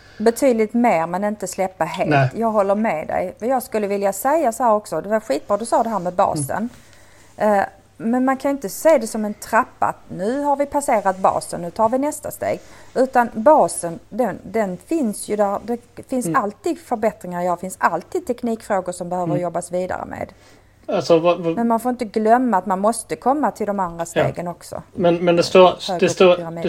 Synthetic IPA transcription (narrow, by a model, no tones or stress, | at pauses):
bɛt̪ʰyːd̪lɪt̪meːɾmɛnɪnt̪əslɛpːaɦeːltt̪ʰjɑːɡɦɔlːəɾmɛːd̪ɛ̰jɛjɑːɡskɵlːəvɪljasɛjːasɔhæːɾɔksɔd̪ɛvaɧiːt̪̚b̥ɾɑːd̪ɵsɑːd̪ɛɦæːɾmɛbɑ̰ːsə̰n | mɛnmankʰanjʏɪnt̪əseːd̪ɛsɔmɛnt̪ʰɾapːa̰a̰t̪nʉ̟ːɦaɾvɪpʰaseːɾat̪̚bɑ̰ːsə̰nːʉ̟ːt̪ʰɑːɾvɪnɛst̪a̰st̪ḛːɡʉ̟ːt̪anbɑːsənd̪ɛnd̪ɛnfɪnsjɵd̪æɾd̪ɛfɪnsalt̪ʰiːd̪fœɾbɛt̪ɾɪŋaɾjɑːfɪnsalt̪ʰiːd̪̚t̪ʰɛkniːkfɾoːɡʊʂɔmbɛhøːvəɾjɔbːasviːd̪a̰ɾə̰mḛːd̪ | alsɔvmɛnmanfoːɾɪnt̪əɡlœmːaːt̪manmɔst̪əkʰɔmːat̪ʰɪld̪ɔmand̪ɾast̪ḛːɡənɔksɔ̰mɛnmɛnd̪ɛst̪oːøːɡd̪ɛst̪oːami